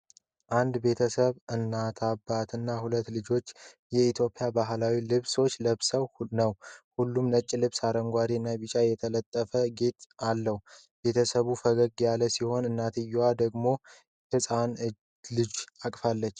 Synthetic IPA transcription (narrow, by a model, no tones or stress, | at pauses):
ʔand̪be̞t̪ʰəsəβɨnːat̪ʰabat̪ʰɨnːahulət̪ːlɨd͡ʒo̞t͡ʃː | jɛit̪ʰjo̞pʼːjabaɦlawilɨβso̞t͡ʃːləβsəwnəwhulːumnət͡ʃʼːilɨβsaɾəŋɡʷaɾinːaβit͡ʃʼajɛt̪ʰələt̪ʼːəfəɡe̞t̪alːəhu | be̞t̪ʰəsəβufəɡəɡjaləsiho̞nɨnːat̪ʰɨjːad̪əɡmo̞ | hɨsʼan | lɨd͡ʒakʼfalːət͡ʃː